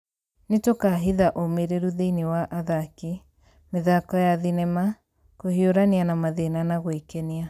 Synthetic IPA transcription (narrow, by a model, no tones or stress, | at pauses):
netokaɦiðaʔomeɾeɾuðeinewaʔaðaki | meðakɔjaðinɛma | kohioɾanianamaðenanaɣwekɛnia